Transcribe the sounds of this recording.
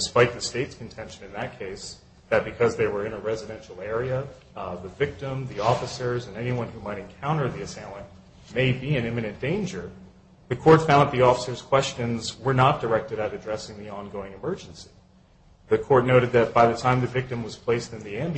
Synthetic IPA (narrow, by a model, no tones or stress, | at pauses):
d̥ɨspaɪt̪̚ðɨsteɪtskʰn̩tʰɛ̃nʃɨ̃nɨ̃nðɨt̚kʰeɪs | ðɨt̚b̥ɨkʰʌzðeɪwə˞ɨ̃nɨɹɛzɨɾɛ̃nʃl̩ˠɛɹiɨ | ðɨvɪk̚tə̃mðiɔfəsə˞zɨ̃nɛniwʌ̃nhumaɪɾɨ̃nkʰãʊ̃ɾ̃ə˞ðiɨseɪlˠɨ̃n | meɪbiɨ̃nɪ̃mɨnɨ̃nd̥ẽɪ̃nd͡ʒə˞ | ðɨkʰɔɹtfãʊ̃nət̪̚ðiɔfəsə˞z̥kʰw̥ɛst͡ʃɨ̃nzwə˞nət̚d̥ə˞ɛk̚tɨɾɨɾɨdɹɛsɪ̃ŋðiɑ̃nɡoʊɪ̃ŋɨmɜ˞d͡ʒɨ̃n̩si̥ | ðɨkʰɔɹt̚ⁿnoʊɾɨd̪̚ðɨt̚b̥aɪðɨtʰãɪ̃mðɨvɪk̚tɨ̃mwʌz̥pʰl̥eɪstɨ̃nðiæ̃m